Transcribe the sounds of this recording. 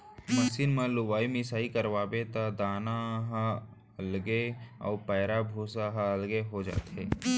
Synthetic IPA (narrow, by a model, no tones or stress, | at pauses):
məsinmẽlʊwaːimɪsaːikəɾʋaːbet̪ad̪aːnaɦ | əlɡeɔ̰ːɾpɛːɾabʱuːsaɦaəlɡeɦod͡ʒa̰ːt̪ɦeː